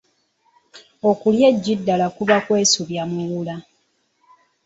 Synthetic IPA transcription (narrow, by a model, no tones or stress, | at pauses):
okuljeɟːidːalakuβakwe̞ːsuβjamwelula